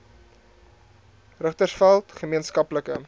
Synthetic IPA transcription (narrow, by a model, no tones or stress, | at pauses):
rəχtərsfælˠtχəmiənskɐpləkə̰